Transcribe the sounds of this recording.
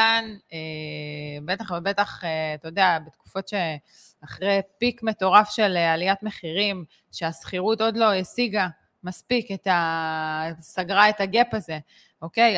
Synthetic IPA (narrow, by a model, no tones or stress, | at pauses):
ane | bet̪aχvebe̞taχet̪ojod̪eabet̪ku̥fo̞tʃe̞ | aχʁejpikme̞t̪o̞ʁafʃe̞lealijatme̞χiʁim | ʃeasχiʁuto̞dlo̞esiɡa | maspiketa | saɡʁae̞taɡe̞paze̞ | o̞kej